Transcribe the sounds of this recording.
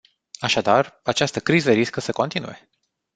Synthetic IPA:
aʃad̪arat͡ʃast̪əkɾizəɾiskəsəko̞nt̪inṵje̞

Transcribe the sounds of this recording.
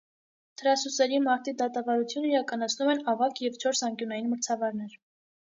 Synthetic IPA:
t̪ʰəɾɑsusɛɾimɑɾt̪id̪ɑt̪ɑvɑɾut͡sʰjunəiɾɑkɑnɑt͡sʰnumɛnɑvɑkjɛvt͡ʃʰɔɾsɑŋkjunɑjinməɾt͡sʰɑvɑɾnɛɾ

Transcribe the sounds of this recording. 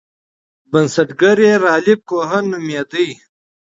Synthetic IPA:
bɐnsɐʈɡɐɾeɾɑːlib̚koɦɐnːumjed̪əj

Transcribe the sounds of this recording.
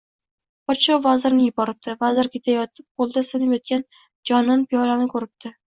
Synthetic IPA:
pɒt͡ʃowvazɪɾnɪjʊbɒɾɪp̚d̪̥ɪvazɪɾkʲet̪ʰajɒt̪ʰɪp̚bolˠd̪ɪsɪnɪpjɒt̪̚kʲan | d͡ʒɒnɪnpʰijɒlanɪkʰɵɾɪp̚d̪̥ɪ

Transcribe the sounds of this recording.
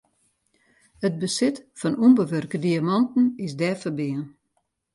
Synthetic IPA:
əd̚bəsɪtfɔnumbəʋørkədiamɑntn̩ɪsdɛːfəbɪən

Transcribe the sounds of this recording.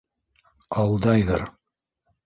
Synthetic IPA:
ɑlˠd̪ɑjðɤ̰ɾ

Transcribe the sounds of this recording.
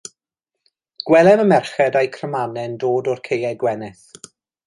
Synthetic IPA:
ɡ̥wɛlˠɛnəmɛrχɛdajkʰrəmanɛndoːdɔrkʰejɛɡwɛnɪθ

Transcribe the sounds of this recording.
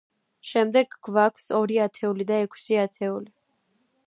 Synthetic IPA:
ʃɛmd̪ɛɡɡvakʰsɔɾiat̪ʰɛulid̪aɛkʰsiat̪ʰɛuli

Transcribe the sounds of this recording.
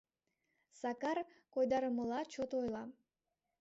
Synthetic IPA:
sɑkɑrkojd̪ɑɾəməlˠɑt͡ɕot̪ojlˠɑ

